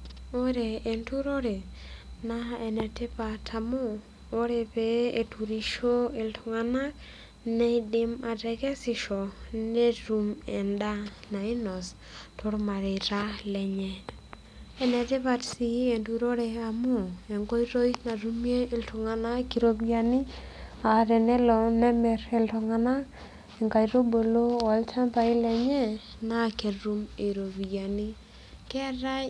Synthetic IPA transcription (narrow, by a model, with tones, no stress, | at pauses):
o˦ɾe˨e˨ntu˦ɾo˦ɾe˨na˦ɛ˨nɛ˨te˦pa˨tʰa˨moː˦ | ɾe˨pe˦e˨tu˨ɾi˦ʃo˦ɪ˨ltʰʊ˨ŋa˦na˦k | nɛ˦dɪ˦ma˨dɛ˨ɡɛ˦sɪ˨ʃɔ˨ne˦ɾu˨mɛ̰˨nda˦na˨ɪ˦nɔ˨s | tʰo˦ɾma˨ɾe˨ɾa˦lɛ˨ɲɛ˦ | ɛ˦nɛ˨te˦βa˨tsi˦e˨ndu˨ɾo˦ɾɛ˧a˨mu˦e˨ŋɡo˦i˦ɾo˦i˦tna˨ɾu˦mje˦ɪ˨ltʰɔ˨ŋa˨na˦ki˨ɾo˦bi˦ja˦ni˦a˨ɾɛ˨nɛ˦lɔ˨nɛ˦mɛ˨ɾe˨ltɔ˨ŋa˨na˦ | e˨ŋɡa˨i˨ɾo˦bo˨lo˦a˨lt͡ʃa˦mpa˨i˦lɛ˨ɲɛ˦ | na˦˨ke˨ɾu˦me˨ɾo˨bi˨ja˨ni˦ | kɛ˦ɾa˦